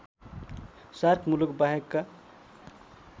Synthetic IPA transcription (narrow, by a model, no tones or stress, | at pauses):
saɾkʰmulukbaɦekːa